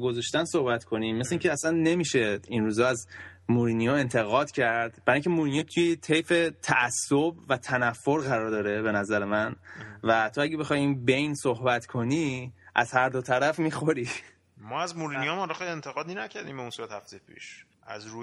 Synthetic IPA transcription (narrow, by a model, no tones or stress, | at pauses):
ɡo̞zɒʃt̪ænso̞hbæt̪kʰo̞nimmesleiŋcʰeæsænːe̞miːʃe̞inɾuːzɒːæzmuɾinijɒe̞nt̪ʰe̞ɣɒːd̪̥cʰæɾd̪̥bæɾɒːiŋcʰemuɾinijɔt̪ʰujet̪ʰejfet̪ʰæʔæsːobvæt̪ʰænæfːo̞ɾɣæɾɒːɾd̪ɒːɾe̞be̞næzæɾemænvæt̪ʰoæɡɟebe̞xɒːjinbe̞jnsohbæt̪kʰo̞niʔæ̰z̥hæɾd̪o̞t̪ʰæɾæfmixo̞ɾi | mɒːæzmuɾinijɒmɒːlɔxejlient̪ʰeɣɒːd̪inæcʰæɾd̪iːmbeunsuɾæt̪hæft̪ejepʰḭʃ | ʔæzɾu